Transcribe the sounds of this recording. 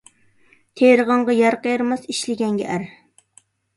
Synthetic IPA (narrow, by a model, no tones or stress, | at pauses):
t̪ʰeɾəʁɑɴʁɑjɑɾqəjɾmɑsiʃlɪɡʲɛŋɡʲɛ̰ʔæɾ